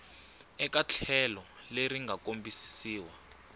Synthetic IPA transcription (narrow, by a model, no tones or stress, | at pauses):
ɛkat͡ɬʰɛlɔ | leɾiŋɡʱakombisi̥siːwa